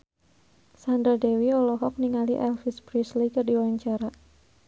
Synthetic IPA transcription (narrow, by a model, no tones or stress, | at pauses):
sandɾadewiɔlɔɦɔk̚niŋaliʔɛlfispɾislikɨrdiwaɲt͡ʃaɾa